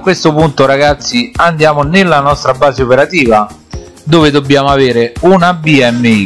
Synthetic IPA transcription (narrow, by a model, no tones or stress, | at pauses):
akːwest̪ʊpunt̪oɾaɡat̪sːiand̪jaːmonelːanɔst̪ɾabaːzeopeɾat̪iːva | d̪oːved̪obːjaːmoaveːɾeunabiɛmːei